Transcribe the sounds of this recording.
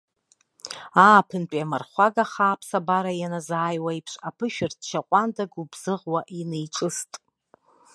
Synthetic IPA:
aːpʰɨnt͡pʷʼamarχʷaɡaχaːpʰsabaɾajanazaːjwajpʰʂapʰɨʃᶣɪrtʰʃaqʷʼandaɡubz̥ɨʁwaʔinejʈ͡ʂʼɨstʼ

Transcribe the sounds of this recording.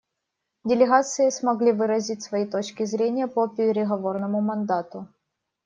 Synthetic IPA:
dʲɪlʲɪɣat̪sɨɪsmɐɡlʲivɨɾɐzʲit̚ʲsvɐjit̪o̞t͡ɕkʲɪzɾʲenʲɪjəpəpʲɪɾʲɪɣɐvo̞rnəmʊmɐnd̪at̪ʊ

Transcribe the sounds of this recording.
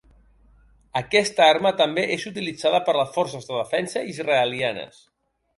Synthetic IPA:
əkɛst̪əaɾmət̪əmbeʔezut̪̬ilid͡zaðəpəɾləsfɔɾsəzðəðəfɛnsəizrəəlianə̰s

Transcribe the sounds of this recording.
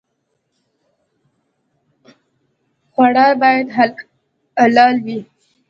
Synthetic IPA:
xwaɽɑɾbɑjad̪a | alɑlwi

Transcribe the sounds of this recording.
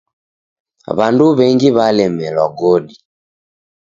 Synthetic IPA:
βanduβɛŋɡiβalɛmɛlwaɡɔɗi

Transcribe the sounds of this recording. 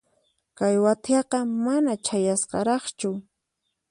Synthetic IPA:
kajwat̪ɑqɑmanat͡ʃajasqɑ̰ɾɑχt͡ʃʊ

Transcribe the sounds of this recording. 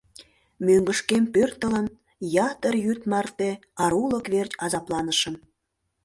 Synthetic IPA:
møŋɡəʃkempørt̪ələn | jɑt̪ərjyt̪mɑrt̪eɑɾulə̆kβert͡ɕɑzɑplɑnəʃəm

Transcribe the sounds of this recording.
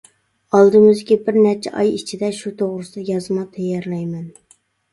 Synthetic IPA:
ɑlˠd̪ɨmɪzkʲibɪɾnɛɾt͡ʃʰɛ̰ʔɑjit͡ʃʰid̪ɛʃut̪ʰoʁɾɨsɨd̪ɛjɑzmɑt̪ʰɛjːɛɾlɛjmɛn

